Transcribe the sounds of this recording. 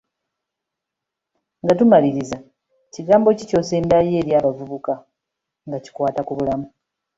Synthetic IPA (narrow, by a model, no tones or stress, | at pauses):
ŋɡatumaliɾiza | ciɡaːmbo̞cico̞ːse̞ːndaje̞ːɾjaːβavuβuka | ŋɡaci̥kwaːtakuβulamu